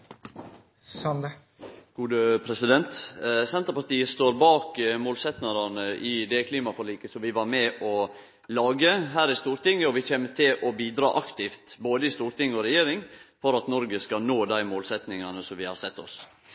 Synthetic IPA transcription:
sɑnd̪ə | ɡ̥uːd̪əpʰɾɛsɪd̪ɛnt̪sɛnt̪əpɑɾʈ̪iːəst̪oːɾbɑːkmoːlsɛt̪nɑɾɑnəʔɪd̪ɛkʰliːmɑfɔɾɭiːkəsɔʋɪʋɑɾmɛʔɔ | lɑːɡəɦæːɾɪst̪uːɾt̪ɪŋːəɔʋɪçɛːmət̪ʰɪlʔɔbiːd̪ɾɑ̰ːʔɑkt̪ɪft̪boːd̪əɪst̪uːɾt̪ɪŋːəɔɾɛjeːɾɪŋfɔɾɑt̪nɔɾɡəskɑnoːd̪æɪmoːlsɛt̪nɪŋɑnəsɔmʋɪhɑ̰ɾsɛt̪ːɔ̰s

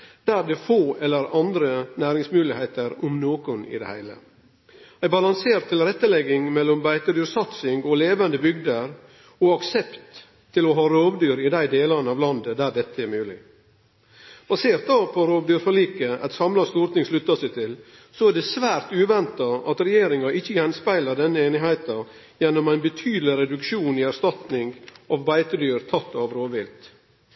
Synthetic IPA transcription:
d̪̥æːɾd̪ɛfoːʔɛlːəɾɑnd̪ɾənæːɾɪŋsmʉːlɪheɪt̪əɾɔmnoːkʊnɪ̰d̪ɛ̰hæ̰ɪlə̰ | æɪbɑlɑŋseːɾt̪ʰːɪlɾɛt̪ːəlɛɡːɪŋmɛlːɔmbæɪt̪əd̪yːɾsɑt̪sɪŋɡɔleːʋənd̪əbʏɡd̪əɾ | ɔɑksɛpt̪ʰː | ɪlɔɦɑːɾoːʋd̪yːɾɪd̪æɪd̪eːlɑnəɑʋlɑnd̪əd̪æːdɛt̪ːəɛɾmʉːlɪ̰ | b̥ɑseːɾt̪̚d̪ɑpʰɔɾoːʋd̪yːɾfɔliːkəʔæ̰t̪sɑmlɑst̪uːɾt̪ɪŋslʉt̪ːɑsæɪt̪ʰɪl | sɔæɖɛsʋæːɾt̪ʉːʋɛnt̪ɑɑt̪ɾɛjeːɾɪŋɑʔɪçːəjɛnspæɪlɑɖ̪ɛnːəeːnɪɦæɪt̪ɑ | jɛnːɔmæɪnbət̪ʰyːd̪lɪɾɛd̪ʉkʃuːnɪæɾst̪ɑt̪nɪŋʔɑʋbæɪt̪əd̪yːɾt̪ʰɑt̪ːɑʋɾoːʋʋɪlt̪

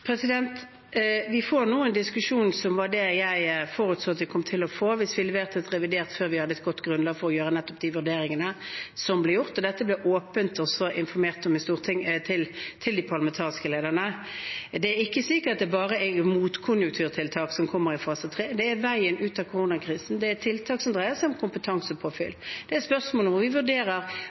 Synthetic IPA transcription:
pʰɾɛsɪd̪ɛnt̪ | ʋɪfoːʁnuːɛnd̪ɪskʉʂuːnsɔmʋɑd̪ɛjæɪfoːʁʉt̪soːɑt̪ʋɪkʰɔmt̪ʰɪlɔfoːʋɪsʋɪlɛʋeːʁt̪ʰət̪ʁɛʋɪd̪eːʁt̪føːɾʋɪhɑd̪əɛt̪ɡɔt̪ːɡɾʉnlɑːɡfɔɾɔjøːʁənɛt̪ːɔp̚d̪ɪʋʉʁd̪eːɾɪŋənəsɔmblɛjʊʁt̪ɔd̪ɛt̪ːəblɛʔoːpənt̪ɔsɔʔɪnfɔɾmeːʁt̪ɔmɪst̪uːʁt̪ʰɪŋt̪ʰɪlt̪ʰɪld̪ɪpʰɑʁlɑmɛnt̪ʰɑːʁɪskəleːd̪əʁnə | d̪ɛæɾɪkːəsɪkəɾɑt̪̚d̪ɛbɑːʁəʔɛmuːt̪kʰʊnjʉkt̪ʰʉːʁt̪ʰɪlt̪ʰɑːksɔmkʰɔmːəɾɪfɑːsət̪ʰʁeːd̪ɛæɾʋæɪənʉːt̪ɑkʰʊʁuːnɑkʰɾiːsn̩d̪ɛæt̪ʰɪlt̪ʰɑːksɔmd̪ʁæɪəsɔʊmkʰʊmpət̪ʰɑŋsəpʰɔfɪld̪ɛæspœʁsmoːləʋʊʋɪʋʉd̪eːɾəʁ

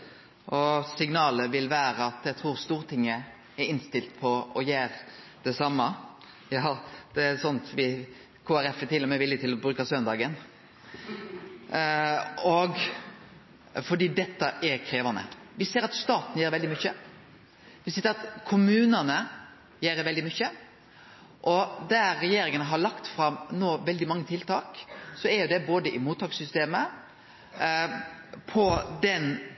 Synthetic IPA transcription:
ʔɔsɪŋnɑːləʋɪlʋæːɾəɑt̪jæt̪ʰɾuːɾst̪uːʁət̪ʰɪŋːə | ɛɾɪnst̪ɪlt̪̚pʰɔɔjeːɾ | d̪̥ɛsɑmːɑ | jɑːd̪̥ɛæsɔnt̪ʋɪ | kʰoːæɾɛfɛt̪ɪlːɔmɛʋɪlːət̪ʰɪlɔbɾʉːkɑsœnd̪ɑːɡən | ɔɡ | fɔɖ̪iːd̪ɛt̪ːəʔɛɾkʰɾeːʋɑnə̰ʋɪseːɾɑt̪st̪ɑːt̪n̩əjeːɾʋɛld̪ɪmʏçːə | ʋɪseːəɾɑt̪kʰʊmʉːnɑnə | jeːɾəʋɛld̪ɪmʏçə | ʔɔd̪æːɛjeːɾɪŋənəɦɑɭɑkt̪fɾɑmnoːʋɛld̪ɪmɑŋːət̪ʰɪlt̪ʰɑːksɔæɾjʊd̪ɛboːd̪əʔɪmuːt̪ʰːɑːksʏst̪eːmə | pʰɔd̪ɛn

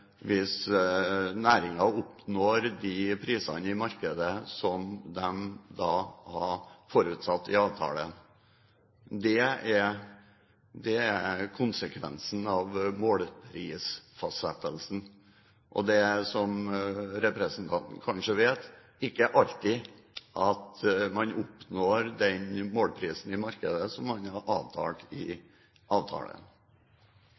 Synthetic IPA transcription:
ʋɪs | næːɾɪŋɑʊpnoːɾd̪ɪpʰɾiːsɑ̰nəɪmɑɾkəd̪əsɔmd̪ɛmd̪ɑːhɑfɔɾʉːt̪sɑt̪ːɪɑːʋt̪ʰɑ̰ːlən | d̪ɛæɾ | d̪ɛækʰʊnsəkʰʋɛ̰nsn̩ɑʋmoːlpʰɾiːsfɑsɛt̪ːəlsn̩ | ʔɔ̰d̪ɛsɔmɾɛpɾɛsn̩t̪ʰɑnt̪n̩kʰɑnʂəʋeːt̪ | ɪkːəʔɑʎt̪ɪ | ʔɑt̪mɑnʊpnoːɾd̪ɛnmoːlpʰɾiːsn̩ɪmɑɾkəd̪əsɔmːɑnhɑɾʔɑːʋt̪ʰɑ̰ːʈ̪ɪ | ʔɑːʋt̪ʰɑ̰ːlə̰n

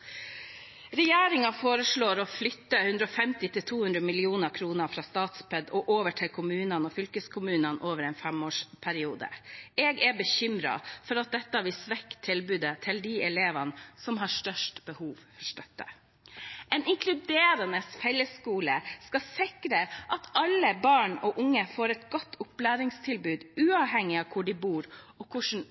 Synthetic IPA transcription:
ɾɛjeːɾɪŋɑfoːɾəʂɭoːɾɔflʏt̪ːəhʉnd̪ɾəɔfɛmt̪ɪt̪ɪlt̪ʰuːhʉnd̪ɾəmɪlɪuːnəɾkʰɾuːnəɾfɾɑːst̪ɑːt̪spʰɛd̪ɔʔoːʋəʈʰɪlkʰʊmʉːnənɔfʏlkəskʰʊmʉːnənʔoːʋəɾɛːnfɛmoːʂpʰæɾɪuːd̪ə̰ɛːɡɛbəçʏmɾɑ̰fɔɾɑt̪̚d̪ɛt̪ːɑʋɪsʋɛkːt̪ʰːɪlbʉːd̪ət̪ʰɪld̪iɛleːʋɑnsɔmɦɑʂt̪œʂʈb̥əhuːʋfɔʂtœt̪ːə̰ | ɛnɪŋkʰlʉd̪eːɾɑnəshɛljəskuːləskɑsɪkɾəʔɑt̪ɑlːəbɑːɳɔʔʊŋːəfoːɾɛt̪ɡɔt̪ːʊplæːɾɪŋst̪ʰɪlbʉːd̪ʉːɑʋɦɛŋːɪɑʋkʰʊɖɪbuːɾɔkʰʊʂn̩

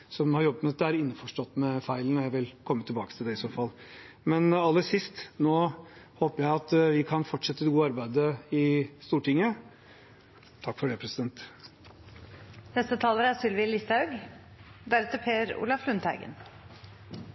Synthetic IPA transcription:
sɔmhɑɾjɔbːəmɛt̪d̪ɛæɾɪnːəfɔʂʈɔt̪ːmɛfæɪlnɔɾjæɪʋɪlkʰɔmːət̪ʰːɪlbɑːkə̥t̪ʰɪld̪ɛɪsoːfɑl | mɛnɑlːəsɪst̪noːhoːpəɾjæɪɑt̪ʋɪkʰɑnfɔʈʂɛt̪ːəlɡuːəɑɾbæɪd̪əɪst̪uːʈɪŋːə | t̪ʰɑkːfɔɖɛpʰɾɛsɪd̪ɛnt̪ | nɛst̪ət̪ʰɑːləɾæsʏlʋɪlɪst̪ɑʉɡ | d̪æɾɛt̪ːəpʰeːɾṵːlɑflʉnt̪ʰæɪɡə̰n

